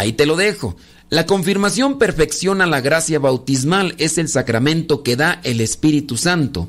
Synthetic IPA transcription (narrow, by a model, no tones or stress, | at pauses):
ait̪e̞lo̞ðe̞xo̞ | lako̞ɱfiɾmasjo̞mpe̞ɾfe̞ksjo̞nalaɣɾasjaβawt̪izmale̞se̞lsakɾamẽ̞nt̪o̞ke̞ðae̞le̞spiɾit̪usant̪o̞̰